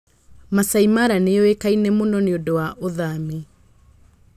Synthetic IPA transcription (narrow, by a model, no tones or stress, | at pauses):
masaimaɾanejɔekainɛmonɔneondowaʔoðami